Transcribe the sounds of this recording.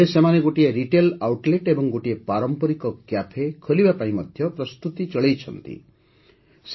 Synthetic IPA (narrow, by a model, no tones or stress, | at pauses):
esemaneɡoʈieɾiʈelawʈleʈebɔŋɡoʈiepaɾɔmpɔɾikɔkjapʰekʰolibapaĩmɔd̪ʱjɔpɾɔst̪ut̪it͡ʃɔɭejt͡ʃʰɔnt̪ḭ | s